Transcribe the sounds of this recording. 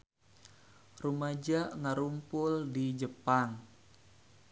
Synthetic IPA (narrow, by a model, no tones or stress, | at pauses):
rumad͡ʒaʔŋəɾumpʊldid͡ʒəpaŋ